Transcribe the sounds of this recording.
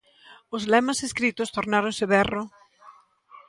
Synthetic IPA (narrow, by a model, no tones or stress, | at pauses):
ʊzlɛmɐseskɾit̪ʊst̪oɾnaɾonsɪβɛrʊ